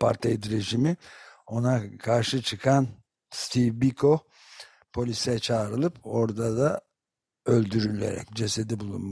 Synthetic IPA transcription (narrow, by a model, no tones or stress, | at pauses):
pʰaɾt̪ʰejd̪ɾeʒimio̞nakʰaɾʃɯt͡ʃʰɯkʰan | st̪ʰivbikʰo̞ | pʰo̞lʲisɛt͡ʃʰaːɾɯlˠɯpo̞ɾd̪ad̪a | ø̞lʲd̪yɾylʲḛɾɛ̰cd͡ʒe̞se̞d̪ɛbulˠṵnm